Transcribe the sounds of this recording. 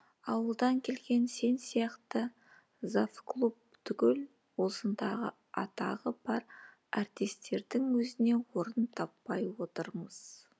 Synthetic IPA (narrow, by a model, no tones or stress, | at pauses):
ɑwəlˠd̪ɑŋkʲʰe̞lɡʲe̞nse̞nsijɑqt̪ə | zafklˠup̚t̪ʰʏkʲɪl | wo̞sənd̪ɑʁə̰ | ɑt̪ɑʁəb̥ɑɾ | ɑɾt̪ist̪e̞ɾd̪ɪŋwɵzɪne̞wo̞ɾənt̪ʰɑpːɑjwo̞t̪əɾməz̥